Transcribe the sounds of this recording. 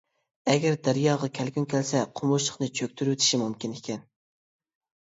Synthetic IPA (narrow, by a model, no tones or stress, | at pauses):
ɛɡʲɛɾd̪æɾijɑːʁɑkʲʰælkʲynkʲʰɛlsɛqʰomuʃlˠə̥χnɨt͡ʃʰøk̚ʲt̪ʰyɾwet̪ʰɪ̥ʃimumkʲinekʲʰɛn